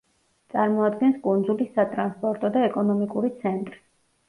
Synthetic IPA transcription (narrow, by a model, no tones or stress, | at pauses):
t̪sʼaɾmɔad̪ɡɛnskʼund̪zulisat̪ʼɾanspʼɔɾt̪ʼɔd̪aɛkʼɔnɔmikʼuɾit̪sʰɛnt̪ʼɾi̥